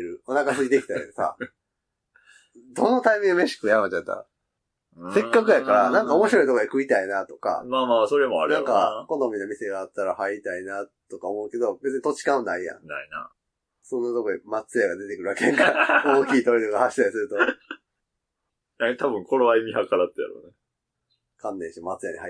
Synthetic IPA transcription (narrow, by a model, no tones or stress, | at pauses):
ɾɯ̟o̞nakasɨɲid̪ekʲi̥t̪ajsa̰ | d̪o̞no̞t̪aimʲĩŋameɕi̥kɯjamat͡ɕat̪ːa̰ | se̞kkːakɯ̟jakaɾanãŋkao̞mo̞ɕiɾo̞it̪o̞koikɯ̟it̪ainat̪o̞ka̰maːmaːso̞ɾemoa̰ɾnãŋkako̞nomʲinamʲise̞ɡaːt̪ːaɾahait̪ainat̪o̞kaomo̞ɯ̟ke̞d̪o̞bet͡sɨɲit̪o̞t͡ɕi̥kãnaijã̰naina̰ | sõ̞nːot̪okoɲimat͡sɨjaɡad̪e̞t̪e̞kɯɾɯ̟akeãŋkaoːkʲiːt̪oɾit̪okahaɕi̥t̪aɾʲisɨɾɯ̟t̪o̞ | jat̪abɯ̟̃ŋkʰo̞ɾoβaimʲihakaɾat̪ːeja̰ɾo̰ne | kʰãnːẽɕiomat͡sɨjaɲiha